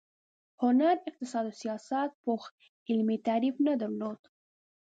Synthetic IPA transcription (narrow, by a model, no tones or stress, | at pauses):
hʊnaɾɪq̚t̪ɪsɑd̪osijɑsat̪̚pox | ɪlmit̪aɾifnad̪əɾlod̪̥